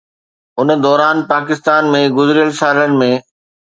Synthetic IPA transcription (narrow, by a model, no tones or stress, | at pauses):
ʊn̆d̪ɔːɾaːnpaːk̬ɪst̪aːnmẽɡʊzɾijəlsaːlənɪ̆mẽ